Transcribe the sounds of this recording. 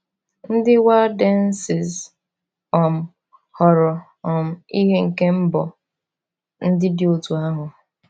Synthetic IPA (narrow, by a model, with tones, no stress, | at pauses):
n̩˦dɪ˦wa˦da˦n̩˦sɪ˨z | ɔ˨m̩˨ | hɔ˨ɾɔ˨ | ɔ˨m̩˨i˦ɦe˦ŋ̩˨ke˦m̩˦bɔ˨ | n̩˦dɪ˦dɪ˨o˨tu˨a˦ɦʊ˨